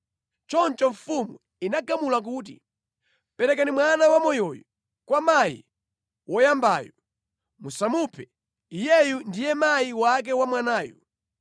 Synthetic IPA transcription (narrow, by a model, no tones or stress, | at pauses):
t͡ʃɔnt͡ʃɔɱfumu | inaɡamulak̬uːt̬i | pɛɾɛkanimwanawamɔjɔjɔ | kwamajḭ | wɔjambaːjɔ | musamupʰɛ | ijɛjundijɛmajiwak̬ɛwamwanaːju